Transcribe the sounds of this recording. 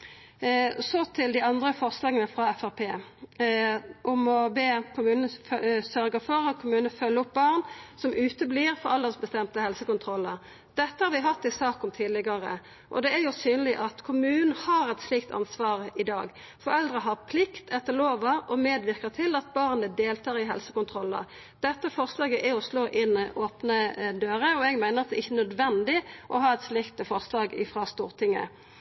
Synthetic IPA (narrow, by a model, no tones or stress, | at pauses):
sɔt̪ʰɪld̪ɪɑnd̪ʁəfɔʁslɑːɡənəfɾɑɛfæʁpʰeː | ʔʊmɔbeːkʰʊmʉːnnsœɾɡəfɔɾɑt̪̚kʰʊmʉːnənəfœlːəʊp̚bɑʁnsɔmʔʉːt̪əbliʁfɔɾɑlːəʁsbəst̪ɛmt̪əhɛlsəkʊnt̪ʰɾɔlːəɾ | d̪̥ɛt̪ːəhɑɾʋɪɦɑt̪ːɪsɑːkɔmt̪ʰiːd̪lɪɡɑɾə̰ | ʔɔ̰d̪ɛæɾjʊsyːnəlɪʔɑt̪kʰʊmʉːnn̩hɑɾɛt̪sliːk̚t̪ʰɑ̰nsʋɑːʁɪd̪ɑːɡ | fɔɾɛld̪ʁəɦɑʁpʰlɪkt̪ʰɛt̪ːəʁloːʋɑɔmeːd̪ʋɪʁkəʁt̪ʰɪlɑt̪̚bɑʁnəd̪eːlt̪ʰɑːʁɪɦɛ̰lsəkʊnt̪ʰɾɔlːə̰ʁ | d̪̥ɛt̪ːəfɔʁslɑːɡəʔæɔsloːʔɪnːoːpnəd̪øːɾəɔɛɡmæɪnəʁɑt̪̚d̪ɛɪçːənœd̪ʋɛnd̪ɪʔɔɦɑːɛt̪slɪkt̪əfɔʁslɑːɡɪ̰fɾɑst̪uːʁt̪ʰɪŋːə̰